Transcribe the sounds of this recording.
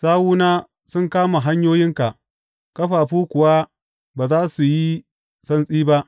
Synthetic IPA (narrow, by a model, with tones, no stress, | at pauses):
saː˦wuː˦naː˦ | sʊ˦ŋkaː˦ma˨ɦa˦ɲjoː˦jɪ˦ŋka˨ʔ | kʼɐ˦ɸaː˨ɸuː˦kʷʊ˨wa˦ | baː˨zaː˦su˨ji˦ | sɐ˦nsʼiː˦ba˦ʔ